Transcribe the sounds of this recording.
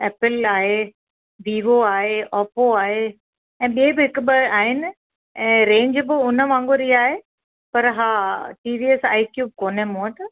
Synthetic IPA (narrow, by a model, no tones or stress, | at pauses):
ɛːpɪlaːɦe | ʋiːʋoaːɦeʔɔːpoaːɦe | ɛ̃ːɓiebɪɦɪkʊɓɪaːɦɪnɪ̆ | ɛ̃ːɾẽːɲd͡ʑbɪʊnəʋãːŋɡoɾiaːɦe | pɐɾɦaːʈiːʋiːɛsa̰ːikjuːb̚koːnemõːəʈ